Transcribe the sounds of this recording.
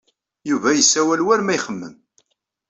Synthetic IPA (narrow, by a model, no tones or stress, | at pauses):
juvæjəsːæwælwæɾmæjχəmːəm